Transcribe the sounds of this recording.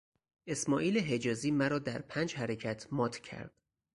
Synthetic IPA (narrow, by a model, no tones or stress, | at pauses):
ʔe̞smɒːʔiːleɦe̞d͡ʒɒːziːmæɾɒːd̪æɾpʰæːnd͡ʒhæɾecʰæt̪ʰmɒːt̪ʰcʰæ̰ɾd̪̥